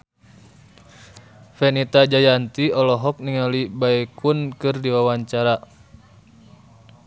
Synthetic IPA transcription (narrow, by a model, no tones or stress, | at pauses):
fɛnit̪ad͡ʒajant̪iɔlɔɦɔk̚niŋalibaɛkunkɨrdiwawaɲt͡ʃaɾa